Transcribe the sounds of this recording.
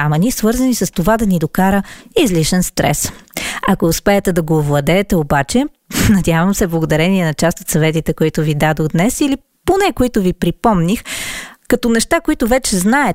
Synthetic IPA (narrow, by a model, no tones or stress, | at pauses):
ɐmɐnisvɤɾzɐnisɐst̪ovad̪ɐnid̪okaɾəizliʃɛnst̪ɾɛ̰sɐkoːspɛɛt̪ɛd̪ɐɡoːvlˠɐd̪ɛːt̪ɛobat͡ʃɛ | nɐd̪ʲjavɐmsɛblˠɡod̪ɐɾɛniɛnɐt͡ʃast̪ot̪sɐvɛt̪it̪ɛkoit̪ʊvid̪ad̪oɣd̪nɛsili | ponɛkoit̪ʊvipɾipɔmnixkɐt̪ɔnɛʃt̪akoit̪ʊvɛt͡ʃɛznaɛ